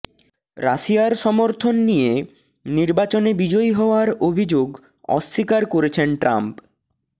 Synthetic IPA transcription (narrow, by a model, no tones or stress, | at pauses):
ɾa̰ʃijaɾʃɔmoɾt̪ʰonːije | niɾbat͡ɕonebid͡ʑojɦɔoaɾobʱid͡ʑoɡ | ɔ̰ʃːikaɾkoɾet͡ɕʰenʈɾa̰mp